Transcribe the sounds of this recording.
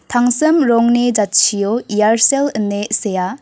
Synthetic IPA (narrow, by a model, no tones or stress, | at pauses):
t̪ʰaŋsɯmɾɔŋned͡ʒat͡ʃʰijoijaɾselənːeseja